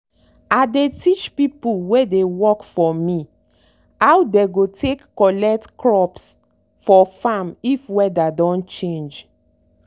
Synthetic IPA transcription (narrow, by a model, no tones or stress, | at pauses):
adetit͡ʃpipulwedewɔkfɔmi | awdeɡotʰekːɔlɛk̚tklɔps | fɔfãmifwɛdadɔ̃nt͡ʃẽnd͡ʒ